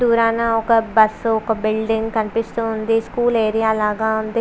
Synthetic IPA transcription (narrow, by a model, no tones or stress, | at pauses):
d̪uːɾaːnaːʊkbɐsokbɪlɖɪŋɡkəɳʈɪst̪oɦʊnd̪eskuːleːɾijaːlaːɡãːɦʊ̃nd̪e